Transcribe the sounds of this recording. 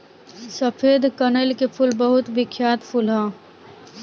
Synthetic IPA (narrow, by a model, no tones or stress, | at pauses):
səpʰeːd̪kɐnəlkepʰʊlbɐɦʊt̪bɪkʰːjaːt̪pʰʊlɦɛ̃ː